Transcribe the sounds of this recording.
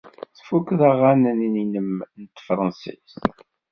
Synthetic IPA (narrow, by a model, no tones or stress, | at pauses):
θfukðæʁænənininəmnt̪fɾˤɑnsḭs